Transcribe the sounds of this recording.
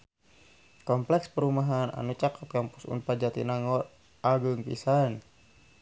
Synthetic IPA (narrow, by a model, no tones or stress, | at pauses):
kɔmplɛkspəɾumaɦana̰nut͡ʃakʰap̪̚kaŋpusṵnpad͡ʒat̪ḭnaŋɔ | ʔaɡəŋpḭsan